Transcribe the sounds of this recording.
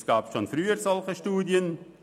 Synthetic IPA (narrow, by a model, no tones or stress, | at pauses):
sɡ̥aːpsʃonfɾyːəɾsɔlχəʃtuːdjən